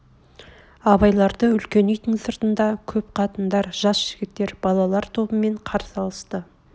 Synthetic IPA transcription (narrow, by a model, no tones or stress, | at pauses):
ɑbɑjlˠɑɾd̪əʏlkʲe̞nejt̪ɪŋsəɾt̪ənd̪ɑkʲʰɵp̚qʰɑt̪ənd̪ɑɾʒɑsʒ̥ɪɡʲɪt̪ːe̞ɾbɑlˠɑlˠɑɾt̪ʰo̞bəme̞ɴqʰɑɾsɑlˠəst̪ə